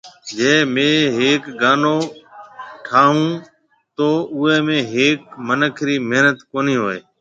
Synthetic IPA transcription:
d͡ʒeːmẽːɦeːkɡaːnoː | ʈʰaːɦũː | t̪oːʔʊeːmẽːɦeːkmənəkʰɾiːmeɦnət̪koːniːɦoːḛː

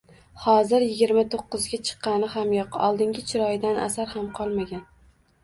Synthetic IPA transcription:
hɒzɪɾjɪɡʲɪɾmat̪ʰoqːɨzɡʲat͡ʃʰɨ̥qːɑnɪhamjɒqɒ̰lˠd̪ɪŋɡʲɪt͡ʃʰɪɾɒjɪd̪anʔa̰saɾhamqʰɒlˠmaɡʲan

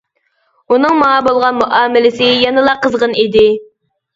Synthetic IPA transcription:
unɨŋmɑŋɑbolˠʁɑnmuʔɑːmɪlɪsɪjɑnɨlˠɑqəzʁənid̪ɪ

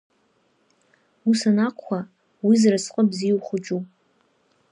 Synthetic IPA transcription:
usanakʷʰːa | wizrasqʼəbziwχʷʊd͡ʒupʼ

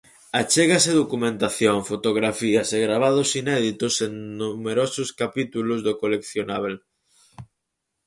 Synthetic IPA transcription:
at͡ʃeɣaseðokumẽnt̪aθjoŋfot̪oɣ̞ɾafiɐseɣɾaβ̞aðosinɛðit̪oseŋnumeɾosʊskapit̪ulʊzðokolekθjonaβ̞el

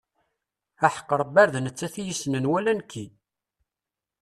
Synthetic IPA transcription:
æħə̥qːəɾˤəbæɾðnət͡sːæθijisnənwælænkːi

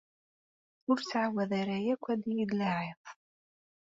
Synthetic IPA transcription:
ʊɾt͡sːʕawæðaɾajækʷːæd̪ijid̪laʕeðˤ

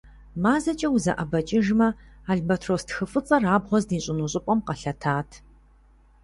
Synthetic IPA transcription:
maːzɐt͡ʃʼɐwuzɐʔɐbɐt͡ʃʼɪʒmɐaːɮbɐtʰroːstxɨfɨt͡sʼɐraːbʁʷɔzdiːɕʼɪnuɕʼɪpʷʼɔmqɐɬɐtʰaːtʰ

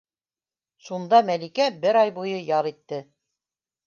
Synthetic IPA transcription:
ʃund̪ɑmælikæbɘɾɑjbujɤjɑɾˠit̪ːɘ

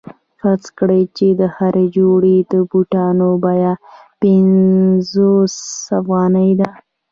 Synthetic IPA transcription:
xat͡skɽəjt͡ʃed̪əhaɾed͡ʒoɽed̪əbuʈɑnobɑjapɪnzosafɣɑnəjd̪a

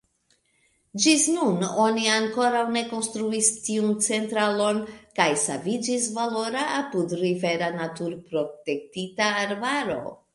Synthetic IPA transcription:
d͡ʒisnuno̞niaŋko̞ɾawne̞ko̞nstɾuistiunt͡se̞ntɾalo̞nkajsavid͡ʒisvalo̞ɾaapudɾive̞ɾanatuɾpɾo̞te̞k̚titaːɾbaɾo̞̰

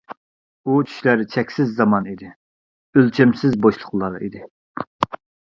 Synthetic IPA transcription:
ut͡ʃʰy̥ʃlæɾɪt͡ʃʰɛkʲsɪzːɑmɑnid̪ɪ | ølt͡ʃʰɛmsɪzboʃlˠʊχlˠɑɾɑid̪ɪ

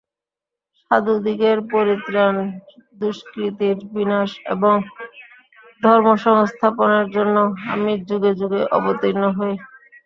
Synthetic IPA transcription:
ʃad̪ud̪ikeɾpoɾit̪ɾand̪uʃkɾit̪iɾbinaʃḛboŋ | d̪ʱɔɾmoʃɔŋst̪ʰaponeɾd͡ʑonːoɦa̰miɾd͡ʑuɡed͡ʑuɡeʔɔ̰bot̪inːoɦɔe

